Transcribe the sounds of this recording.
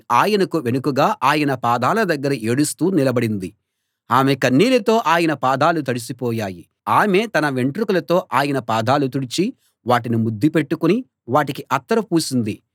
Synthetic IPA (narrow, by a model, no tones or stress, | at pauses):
aːjɐnɐkuʋenukuɡaːʔaːjɐnɐpaːd̪aːlɐd̪ɐɡːɐɾɐʔe̞ːɽust̪uːnilɐbɐɽind̪i | aːmekɐnːiːlɐt̪o̞ːʔaːjɐnɐpaːd̪aːlut̪ɐɽisipɔːjaːji | aːme̞ːt̪ɐnɐʋe̞ɳʈɾukulɐt̪o̞ːʔaːjɐnɐpaːd̪aːlut̪uɽit͡ʃi | ʋaːʈinimud̪ːipe̞ʈːukuni | ʋaːʈikiʔɐt̪ːɐɾɐpuːsind̪i